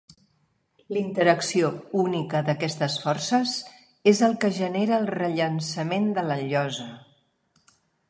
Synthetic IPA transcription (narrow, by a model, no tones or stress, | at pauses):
lint̪əɾəksiounikəðəkɛst̪əsfɔrsəz | ezəlˠkəʒəneɾəːlˠrəʎənsəmend̪ələʎɔzə